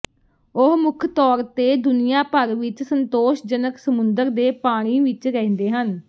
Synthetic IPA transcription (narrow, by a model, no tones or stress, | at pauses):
ʊɦmʊkʰt̪ɔːɾt̪eːd̪ʊnɪjaːpəɾʋɪt͡ʃsənt̪oːʃd͡ʒənəksəmʊnd̪əɾd̪eːpaːɽ̃iːʋɪt͡ʃɾɛ̃nd̪eːɦən